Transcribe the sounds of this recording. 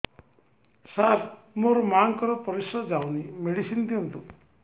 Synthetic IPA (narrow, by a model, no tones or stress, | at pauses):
saɾ | moɾmaŋkɔɾɔpɔɾisɔd͡ʒawnimeɽisind̪iunt̪u